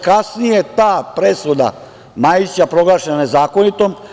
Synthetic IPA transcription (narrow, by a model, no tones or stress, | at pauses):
kasnijet̪aːpɾesud̪a̰ | maːjit͡ɕapɾo̞ɡlˠaːʃenane̞zaːkonit̪om